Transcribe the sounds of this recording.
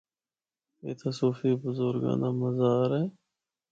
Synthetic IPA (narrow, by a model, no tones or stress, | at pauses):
eːt̪ʰasoːfiːbʊzoɾɡã̰ːnd̪aːməzaːɾɛː